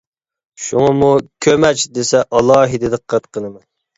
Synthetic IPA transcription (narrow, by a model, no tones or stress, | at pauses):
ʃuŋɑmukʲʰømɛt͡ʃd̪esɛʔɑlˠɑːɦid̪ɨd̪ɨqʰæt̪qʰənɨmɛ